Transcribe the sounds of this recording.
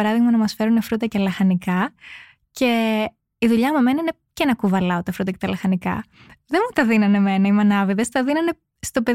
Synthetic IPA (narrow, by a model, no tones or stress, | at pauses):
ɐɾɐðiɣmɐnɐmɐsfe̞ɾunefɾut̪ɐcelɐxɐnikɐ | ce̞ | iðuʎɐmeme̞nɐine̞ | cenɐkuvɐlɐot̪ɐfɾut̪ɐcet̪ɐlɐxɐnikɐ̰ | ðemut̪ɐðinɐne̞me̞nɐimɐnɐviðest̪ɐðinɐne̞ | st̪o̞pe